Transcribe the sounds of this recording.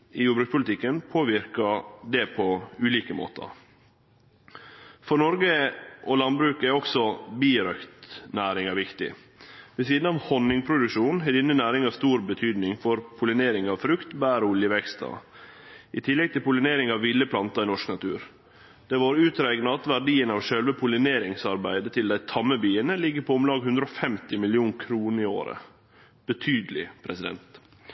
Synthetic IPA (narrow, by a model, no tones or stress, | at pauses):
ɪjuːbɾʉkspʊlt̪ʰɪkːənpʰoːʋɪɾkɑd̪ɛpʰɔʉːliːkəmo̰ːt̪ʰə̰ | fɔɾnɔɾɡəʔɔlɑnbɾʉːkəæɾɔksɔbiːɾœkt̪næːɾɪŋɑʋɪkt̪ɪ̰ | ʋɛsiːd̪n̩ɑʋhɔnɪŋpʰɾʊd̪ʉkʃuːnɦɛd̪ɪnːənæːɾɪŋɑst̪uːɾbət̪ʰyːd̪nɪŋfɔɾpʰʊlɪneːɾɪŋɑʋfɾʉkt̪bæːɾʊljəʋɛkst̪ɑ̰ | ɪt̪ʰɪlːɛɡ̚t̪ɪlpʊlɪneːɾɪŋɑʋːɪlːəpʰlɑnt̪ɑɪnɔʂknɑt̪ʰʉ̰ːɾ | d̪̥ɛʋɑːɾʉːt̪ɾæɪɡnɑɑt̪ʋæɖiːənɑʋʃœlʋəpʰʊlɪneːɾɪŋsɑɾbæɪd̪ət̪ʰɪld̪æɪt̪ʰɑmːəbiːənəlɪɡːəɾpʰɔʊmlɑːɡhʉnd̪ɾɔfɛmt̪ɪmɪlɪuːnkʰɾuːnəɾɪo̰ːɾə̰ | b̥ət̪ʰyːd̪əlɪ̰pʰɾɛsɪd̪ɛ̰nt̪